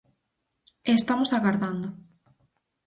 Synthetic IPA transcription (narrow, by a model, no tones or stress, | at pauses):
est̪amosaɣaɾðand̪o